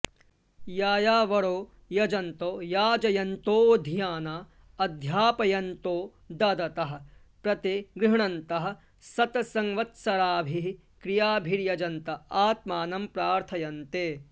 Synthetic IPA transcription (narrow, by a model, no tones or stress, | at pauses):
jaːjaːʋɐɽoː | jɐd͡ʒɐnt̪oːjaːd͡ʒɐjɐnt̪oːd̪ʱijaːnaː | ɐd̪ʱjaːpɐjɐnt̪oː | d̪ɐd̪ɐt̪ɐɦɐ̆ | pɾɐt̪eɡɾɪɦɳɐnt̪ɐɦɐ̆ | sɐt̪ɐsɐŋʋɐt̪sɐɾaːbʱiɦ | kɾijaːbʱiɾjɐd͡ʒɐnt̪ɐaːt̪maːnɐmpɾaːɾt̪ʰɐjɐnt̪eː